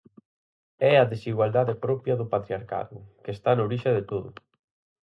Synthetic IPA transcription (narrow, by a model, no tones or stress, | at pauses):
ɛɐðesiɣwald̪aðepɾɔpjɐðʊpat̪ɾiaɾka̰ðʊkest̪anoɾiʃɐðet̪oðʊ